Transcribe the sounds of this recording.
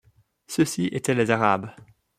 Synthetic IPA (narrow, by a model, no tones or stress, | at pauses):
səsiʔet̪ɛlezaʁa̰b